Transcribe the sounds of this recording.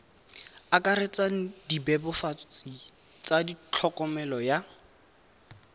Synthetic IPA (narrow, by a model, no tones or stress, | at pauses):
akʼaɾet͡saŋ̩dibɛbɔfat͡sʼi | t͡sadit͡ɬʰɔkʼɔmɛlɔja